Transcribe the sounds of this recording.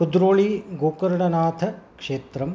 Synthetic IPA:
kud̪ɾoːɭiɡoːkɐɾɐɳɐnaːt̪ʰɐkʂeːt̪ɾɐm

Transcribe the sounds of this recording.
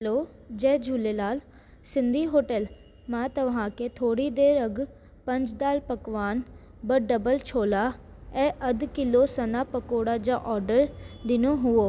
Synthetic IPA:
loː | d͡ʒɛːd͡ʒʱuleːlaːl | sɪnd̪ʱiːɦoːʈəl | mãːt̪əʋãːkeːt̪ʰoːɽiːd̪eːɾəɡ | pəɲd͡ʒd̪aːlpəkʋaːn | bəɖəbəlt͡ʃʰoːlaː | ɛːʔəd̪kɪloːsənaːpəkoːɽaːd͡ʒãːʔɔːɾɖəɾd̪ɪnoːɦʊoː

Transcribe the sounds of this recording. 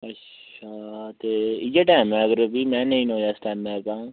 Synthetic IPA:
ət | ʃaːt̪eːɪd͡ʒaːʈaːmɛ̃ːəɡəɾbiːmɛ̃ːnəĩːnoːjaːɪsʈaːmɛ̃ːkãː

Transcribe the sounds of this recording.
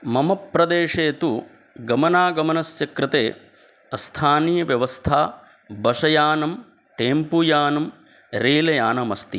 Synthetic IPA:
mɐmɐpːɾɐd̪eːʂeːt̪u | ɡɐmɐnaːɡɐmɐnɐsjɐkɾɪt̪eː | ɐst̪ʰaːniːjɐʋjɐʋɐst̪ʰaː | bɐʂɐjaːnɐm | ʈeːmpujaːnɐm | ɾeːlɐjaːnɐmɐst̪i

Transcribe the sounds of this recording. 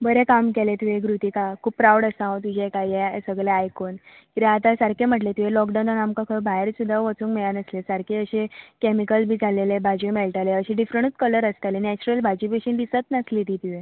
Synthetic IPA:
bəɾekamkelet̪uʋeɡɾut̪ikakʰuːppɾawɽəsãɦot̪̬ud͡ʑʱekaiesəɡɭeajkon | kiɾeat̪asaɾkʰem̤əʈlet̪uʋelɔkɖawnanamkakʰəbʱaɦeɾsud̪ʱːaʋət͡suːŋkmɛɭanəslesaɾkʰeəɕekemikəlbʱiːd͡zʱalelebʱad͡ʑimeɭʈaleəɕiɖifɾəɳt͡s̪kələɾəst̪alenɛt͡ɕuɾəlbʱad͡ʑipeɕind̪isət̪nəslit̪iːt̪uʋe

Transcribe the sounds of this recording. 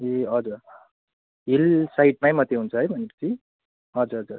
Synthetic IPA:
eɦʌd͡zuɾ | ɦilsaiʈ̚majmʌt̪ːeɦunt͡sʰʌɦʌjbʱʌnepʌ̥t͡sʰi | ɦʌd͡zuɾɦʌd͡zuɾ

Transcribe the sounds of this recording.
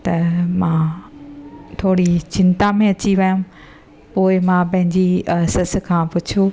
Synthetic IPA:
t̪ɐmãː | t̪ʰoːɽit͡ɕɪ̃nt̪amẽɐt͡ɕiʋɐjʊ̃ | poːɪmãːpɐ̃ɦɪ̃ɲd͡ʑiɐɦsɪs̆kʰãːpʊt͡ɕʰo

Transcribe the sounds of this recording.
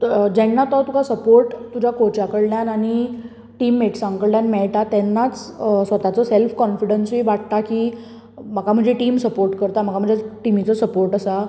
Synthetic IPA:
d͡ʑɛnːat̪ɔt̪ukʰasəpoɾʈt̪ud͡ʑʱakot͡ɕakəɽljanaɽ̃i | ʈiːmːeʈsãŋkəɭljanmɛɭʈ̪at̪ɛnːat͡ssʋət̪at͡sɔselfkɔnfiɽənsʋiːʋaʈ̚t̪akiː | məkam̤əɳd͡zeʈiːmsəpoɾʈkəɾt̪am̤əkam̤əɳd͡zeʈimit͡sɔsəpoɾʈəsa

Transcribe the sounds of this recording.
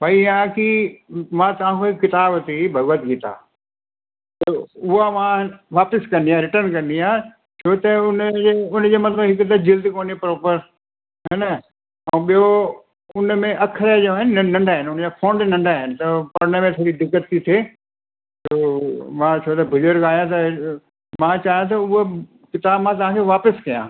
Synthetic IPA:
bɐijãkimãt̪ɐʋãkoɦɪkkɪt̪aːbt̪ibʱɐɡət̪ɡit̪a̰ː | t̪ɐʊɦamãʋaːpɪskɐ̃nd̪iaːɾɪʈəɾnkɐ̃nd̪iaː | t͡ɕʰoːt̪ɐʊnd͡ʑeʊnd͡ʑeːmɐt̪ləbɦɪkt̪ɐd͡ʑɪld̪koːnepɾoːpəɾ | ɦɛnə | ɛ̃ːɓijo | ʊnmẽʔɐkʰɾad͡ʑoaːɦɪnɪnɐ̃ɳɖaːɦɪnʊnd͡ʑafʰõːɳɖnɐ̃ɳɖaːɦɪnɪ̆t̪ɐpɐɾnəmẽt̪ʰoːɾid̪ɪkːət̪ʰːit̪ʰeː | t̪oːmãt͡ɕʰoːt̪ɐbʱʊləɾkaːɦjãt̪ɐ | mãt͡ɕaːɦijãt̪ɐʊɦo | kɪt̪aːbmãt̪̬ɐʋãkʰeʋaːpəskɐjã̰ː

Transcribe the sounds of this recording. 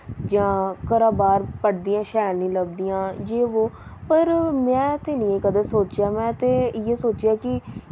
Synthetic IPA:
d͡ʒãːkəɾaːbaːɾpəɽd̪ijãːʃɛːlnĩːləb̚d̪ijãːd͡ʒeːʋoːpəɾmɛ̃ːt̪ʰeːnĩːeːkəd̪eːsoːt͡ʃjaːmɛ̃ːt̪eːjeːsoːt͡ʃjaːkɪ

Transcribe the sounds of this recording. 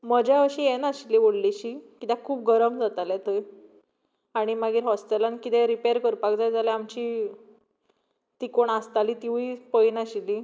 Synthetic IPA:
məd͡ʑjaəɕienaɕiliʋoɽliɕikit̪ãkʰuːp̚ɡəɾəmd͡zat̪alɛt̪əj | aɽ̃imaɡiːɾɦɔsʈ̪elankit̪ɛ̃ɾipeɾkəɾpakd͡zajd͡zalɛamt͡ɕi | t̪ikoɳast̪aliːt̪iʋipəinaɕili

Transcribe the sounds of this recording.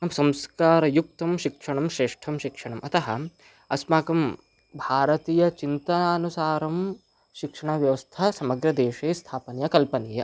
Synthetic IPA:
nɐmsɐmskaːɾɐjuk̚t̪ɐmʃikʂɐɳɐmʃɾeːʂʈʰɐmʃikʂɐɳɐmɐt̪ɐɦɐ̰ | ɐsmaːkɐm | bʱaːɾɐt̪iːjɐt͡ʃint̪ɐnaːɐnusaːɾɐm | ʃikʂɐɳɐʋjɐʋɐst̪ʰɐsɐmɐɡɾɐd̪eːʃeːst̪ʰaːpɐnjɐkɐlpɐniːjɐ

